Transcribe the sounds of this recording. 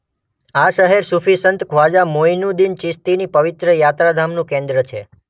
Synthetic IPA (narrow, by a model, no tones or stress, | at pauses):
aʃəɦeɾsufʰisənt̪kʰʋad͡ʒamojnũd̪int͡ʃɪst̪inipəʋɪt̪ɾəjat̪ɾad̪ʱamnũkẽnd̪ɾət͡ʃʰḛ